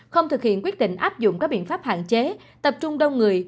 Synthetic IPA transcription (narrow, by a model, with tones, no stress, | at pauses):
xə˧wŋ͡mt̪ɨ˨˩k̚hḭ˧˨ənkwi˦˥ət̚ɗḭ˧˨ŋ̟ʔaː˦˥p̚zʊ̰˧˨ŋ͡mka˦˥k̚ɓḭ˧˨ənfaː˦˥p̚ha̰ː˧˨nt͡ɕe˨˦ | t̪ə˨˩p̚t͡ɕʊ˧ŋ͡mɗə˧wŋ͡mŋɨ˨˩əj